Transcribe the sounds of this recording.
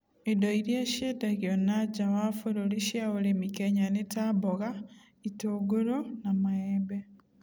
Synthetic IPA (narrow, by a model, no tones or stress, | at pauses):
edɔiɾjaʃedaɣiɔnad͡ʒawafoɾoɾeʃjaoɾemikɛɲanetabɔɣa | itoːɡoɾonamaɛbɛ